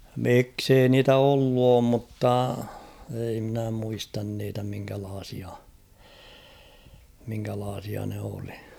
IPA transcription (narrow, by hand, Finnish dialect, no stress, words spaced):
miksei niːtæ olːu oːm mutːɑ ei mnæ muistɑn niːtæ miŋkælɑːsiɑ miŋkælɑːsiɑ ne oli̥